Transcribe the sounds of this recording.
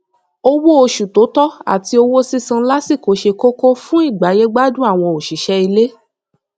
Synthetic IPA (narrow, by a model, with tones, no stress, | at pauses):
o˦wo˦o˧ʃu˨to˨˦tɔ˦a̰˦˨ti˧o˧wo˦si˦sã˧˦la˦si˦˨ko˨˦ʃe˧ko˦ko˦fũ˦i˦˨ɡ͡ba˨˦je˦ɡ͡ba˦dũ˦a˦˨w̃ɔ̃˧o˨ʃi˨˦ʃɛ˧i˧le˦